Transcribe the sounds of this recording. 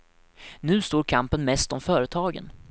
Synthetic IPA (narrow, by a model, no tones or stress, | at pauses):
nʉ̟ːst̪oːɾkʰampənmɛst̪ɔmfœːɾət̪ʰɑːɡə̰n